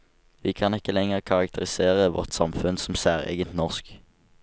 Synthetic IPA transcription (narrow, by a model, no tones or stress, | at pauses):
ʋiːkʰɑːnɪkːəlɛŋəʁkʰɑʁɑk̚t̪ʰəʁɪseːʁəʋɔ̰ʁt̪sɑ̰mfʉnsɔm̩sæːʁḛɡənt̪nɔʁsk